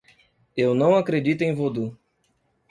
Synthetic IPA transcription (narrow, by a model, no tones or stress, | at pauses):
ewnɐ̃w̃akɾed͡ʒit̪ʊẽj̃vod̪u